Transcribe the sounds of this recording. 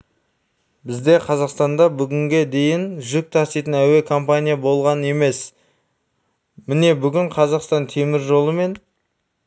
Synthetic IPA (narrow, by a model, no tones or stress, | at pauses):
bɪzd̪e̞qʰɑzɑqst̪ɑnd̪ɑbʏɡʲɪŋɡʲe̞d̪e̞jɪnʒʏk̚t̪ʰɑsijt̪ənæwe̞kʰo̞mpanʲijabo̞lˠʁɑnəe̞me̞s | mɪne̞bʏɡʲɪɴqʰɑzɑqst̪ɑnt̪ʰe̞mɪɾʒo̞lˠəme̞n